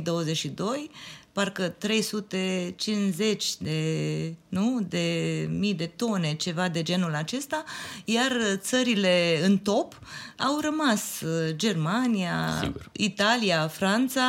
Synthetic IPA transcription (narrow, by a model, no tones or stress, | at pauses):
d̪o̞wəzeʃid̪o̞jparkət̪ɾe̞jsut̪e̞t͡ʃinze̞t͡ʃʲd̪e̞nud̪e̞mijd̪e̞t̪o̞ne̞t͡ʃe̞vad̪e̞d͡ʒe̞nulat͡ʃe̞st̪ajart̪səɾile̞ɨnt̪o̞p | awrəmasd͡ʒe̞rmania̰it̪aliafɾant̪sa